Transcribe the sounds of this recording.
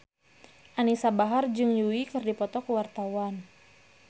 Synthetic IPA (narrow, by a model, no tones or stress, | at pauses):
ʔanisabaɦard͡ʒɨŋjuikɨrdipɔt̪ɔkəwart̪awan